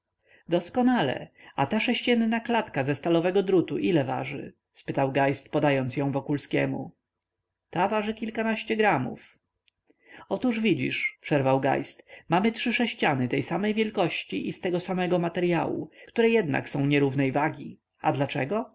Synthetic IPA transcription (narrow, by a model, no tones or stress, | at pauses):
d̪ɔskɔnalɛ̰at̪aʂɛɕt͡ɕɛnnaklat̪kazɛst̪alɔvɛɡɔd̪ɾut̪uʔilɛva̰ʐɘ̰ | spɘt̪awɡajst̪pɔd̪ajɔnt̪sjɔ̃w̃vɔkulskʲɛ̰mṵ | t̪avaʐɘkʲilkanaɕt͡ɕɛɡɾamṵf | ɔt̪uʐvʲid͡ʑḭʂpʂɛɾvawɡa̰jst̪mamɘtʂɘʂɛɕt͡ɕanɘt̪ɛjsamɛjvʲjɛlkɔɕt͡ɕiʔist̪ɛɡɔsamɛɡɔmat̪ɛɾjawṵkt̪uɾɛjɛd̪na̰ksɔ̃w̃ɲɛɾuvnɛjvaɡʲi | a̰d̪lat͡ʂɛ̰ɡɔ